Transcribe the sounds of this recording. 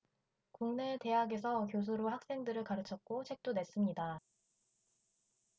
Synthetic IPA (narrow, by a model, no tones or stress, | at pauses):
kuŋne̞te̞ɦaɡe̞s̬ʰʌkjos̬ʰuɾohak̚s͈e̞ŋdɯɾɯɭkaɾɯt͡ɕʰʌt̚k͈ot͡ɕʰe̞k̚t͈one̞s͈ɯmɲida